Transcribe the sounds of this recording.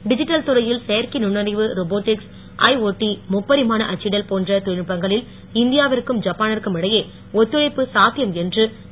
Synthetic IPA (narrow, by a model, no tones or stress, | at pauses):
ɖɪd͡ʒɪʈːɐlt̪ʊɾɐjɪlsɛjɐɾkɪnʊɳːɐɾɐɪʋɯɾoboːʈːɪks | ʔɐ̰ɪoːʈːimʊpːɐðɪmaːnɐʔɐt͡ʃːɪɽɐlpoːndrɐt̪ʊɻɪɳpːɐŋɡɐɭɪl | ɪnd̪ɪjaːʋɐɾɯkːɯmd͡ʒɐpːaːnɐrkːɯmɪɽɐjeː | ɔt̪ːɯɻɐɪpːɯsaːt̪ɪjɐmɛndrɯ